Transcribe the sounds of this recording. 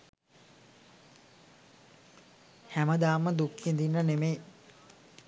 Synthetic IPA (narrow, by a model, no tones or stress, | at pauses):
hæməd̪aːməd̪ukːend̪inːənemej